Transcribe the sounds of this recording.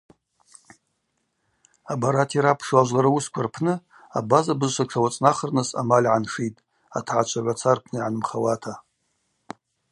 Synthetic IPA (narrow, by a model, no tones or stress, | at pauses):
abaɾatʰiɾapʰʂaʒʷlaɾauskʷʰarpʰnɨ | a̰bazabɨzʃʷaʈ͡ʂʰawat͡sʼnaχərnɨsa̰malʲʕanʂitʼ | a̰tʰʕat͡ʃʷʰaʕʷat͡sʰarpʰnɨiʕanɨmχawatʰa